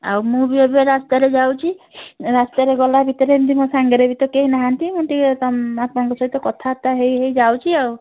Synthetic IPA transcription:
a̰wmũbibɔbeɾast̪aɾed͡ʒawt͡ʃʰiɾast̪aɾeɡɔlabʱit̪ɔɾent̪imũsaŋɡɔɾebʱit̪ɔkeɦinaɦant̪imũnʈit̪amapɔɽɔ̃ŋkɔsɔɦit̪ɔkɔt̪ʰat̪aɦejɦejd͡ʒawt͡ʃʰiaw

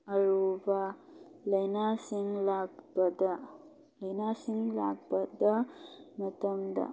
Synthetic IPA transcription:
ɐɻubalɐjnaːsiŋɡlaːɡpɐd̪ɐ | lɐjnaːsiŋɡla̰ːɡ̚pɐd̪ɐmɐt̪ɐmd̪ɐ̰

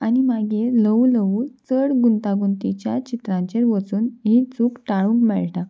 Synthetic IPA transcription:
añimaɡeləʋləʋut͡səɽɡunt̪aɡunt̪it͡ɕjat͡ɕit̪ɾãɲt͡ɕeɾʋət͡suːnɦit͡suːkʈaɭũːŋkmɛɭʈa

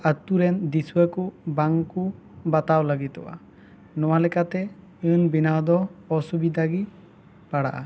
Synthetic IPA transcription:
at̪uɾɛnd̪iswəkubaŋku | bat̪awlaɡit̪ɔ̰wa̰ | nɔwalɛkat̪ɛ | ɨnbinawd̪ɔɔsubid̪ʱaɡi | paɽaʔa̰

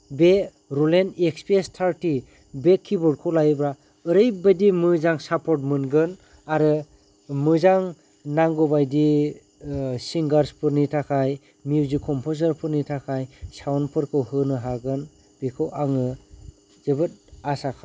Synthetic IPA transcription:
be | ɾulenekspiestʰaɾti | bekʰːibɔd̚kʰɔwlajbɾa | ɯɾɯjbɯjdimɯzaŋsapʰɔt̚mɯnɡɯn | aɾɯ | mɯzaŋ | naŋɡɔbajdi | siŋɡaɾspʰɯɾnitʰakʰaj | miwzikʰɔmpʰozaɾpʰɯɾnitʰakʰajsawnpʰɯɾkʰɯwhɯnɯɦaɡɯn | b̥ikʰɯwʔaŋɯ | zɯbɯt̚asakʰaj

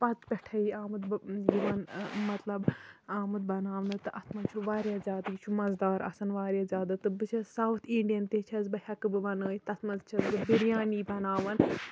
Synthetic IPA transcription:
pɐt͡s̪pʲɛʈʰɐiaːmɨd̪bjiʋɐnmɐt̪lɐbaːmɨd̪̚bɐnaːʋnɨt̪ɨʔɐt̪ʰmɐnt͡ʃʰuʋaːɾjaːzʲaːd̪ɡit͡ʃʰumɐzd̪aːɾɐ̰sɐnʋaːɾjaːzʲaːd̪ɨt̪ɨbɨt͡ʃʰɐsawt̪ʰiɳɖijɐnt̪et͡ʃʰɐzbɐhʲɐkɨbɨʋɐnəːjit̪ɐt̪ʰmɐnzt͡ʃʰɐzbɨbiɾjaːniːbɐnaːʋɐn

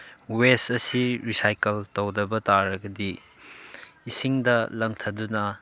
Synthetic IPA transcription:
westɐsiɾisajkeltɐwdɐbɐtaɾɐɡɐdi | siŋdɐlɐŋtʰɐdunɐ

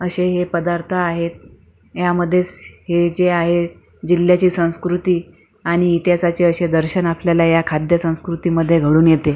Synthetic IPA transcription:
əɕeɦepəd̪aɾt̪ʰaːɦet̪ | jaməd̪ʱːjet͡shed͡zeaɦe | d͡ʑilːjat͡ɕiːsə̃w̃skɾut̪iː | aɽ̃iːt̪jasat͡ɕeəɕed̪əɾɕənapljalajakʰad̪ʱjəsə̃w̃skɾut̪iːməd̪ʱːjeɡʱəɽuːnjet̪e

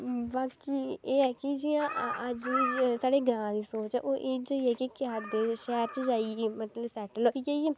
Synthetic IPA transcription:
baːkiːeːɛːkid͡ʒiːãːəd͡ʒisaːɽeːɡɾãːd̪iːsoːt͡ʃɛʔoːʔeːd͡ʒəiɛːkikad̪eːʃɛːɾt͡ʃəd͡ʒaːiemət̪ləbsɛːʈəloikee

